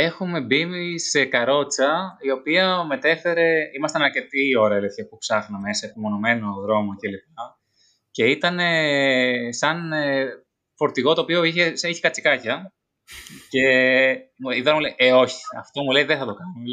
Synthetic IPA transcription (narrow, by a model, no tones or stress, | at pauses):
e̞xume̞bimise̞kɐɾo̞t͡sɐio̞piɐme̞t̪e̞fe̞ɾe̞imɐst̪ɐnɐɾce̞t̪io̞ɾɐelefepupsɐxnɐme̞sɐepimo̞no̞me̞no̞ðɾo̞moce̞lip̚ɐ | ce̞it̪ɐne̞ | sɐn | fo̞ɾt̪iɣo̞t̪oːpio̞içesɐiçekɐt͡sikɐcɐ | ce̞ | miðoɾɐmuleiʔeo̞çi̥ɐ̰ft̪o̞muleiðeθɐt̪o̞kɐnu